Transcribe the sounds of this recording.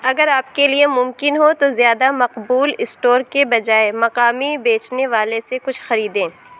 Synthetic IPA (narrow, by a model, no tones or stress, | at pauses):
ɐɡəɾaːp̚keliemʊmkɪnɦot̪ozjaːd̪amɐqbuːlɪsʈoːɾkebɐd͡ʒaːemɐqaːmibeːt͡ʃneʋaːlesekʊt͡ʃʰxɐɾiːd̪ẽː